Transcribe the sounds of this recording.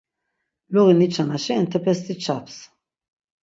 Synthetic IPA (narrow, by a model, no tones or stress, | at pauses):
luɣinit͡ʃʰanaʃɛnt̪ʰɛpʰɛst̪it͡ʃʰaps